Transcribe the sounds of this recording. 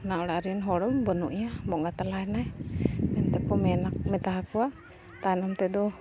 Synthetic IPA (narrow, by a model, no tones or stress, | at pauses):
naʔɔɽaʔɾinɦɔɽɔmbɔnṵʔijamɔʔŋɡat̪alaɛnajmɛnt̪ɛkɔmɛnak̚mɛt̪aɦakuaʔ | t̪anɔmt̪ɛd̪ɔ